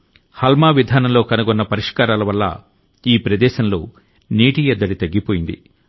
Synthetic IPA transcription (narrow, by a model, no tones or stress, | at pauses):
hɐlmaːʋid̪ʱaːnɐmlo̞ːkɐnɐɡɔnːɐpɐɾiʂkaːɾaːlɐʋɐlːɐ̰ | iːpɾɐd̪ɛːʃɐnlo̞ː | niːʈijɛd̪ːɐɽit̪ɐɡːipoːjind̪ḭ